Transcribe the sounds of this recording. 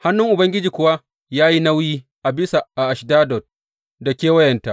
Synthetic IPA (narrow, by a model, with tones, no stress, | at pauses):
ha˦nːʊ˦ŋʔʊ˨bɐ˦ŋɡʲɪ˦d͡ʒiː˨kʷʊ˦wa˦ | jaː˦ji˦na˦wjiː˦ | ʔa˨bɪ˦sa˨ʔa˨ʔa˨ʃdaː˦dɔ˨t̚ | da˨kʲeː˦wɐ˦jɛ˨nta˦ʔ